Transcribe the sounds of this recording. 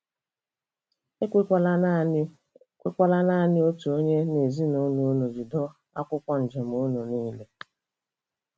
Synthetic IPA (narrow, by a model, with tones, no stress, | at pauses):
e˦ | e˦kʷa˦la˦na˦˨nɪ˦o˦tu˨o˦ɲe˦ne˨zi˦no˦no˦no˨d͡ʒi˨dɔ˦ | a̰˦kʷʊ˦kʷa˦n̩˨d͡ʒe˨m̩˨ʊ˦no˨niː˦le˦